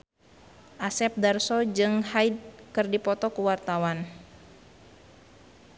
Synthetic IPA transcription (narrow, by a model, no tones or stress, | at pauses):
ʔasɛp̚darsɔd͡ʒɨŋhaid̚kɨrdipɔt̪ɔkuwart̪awan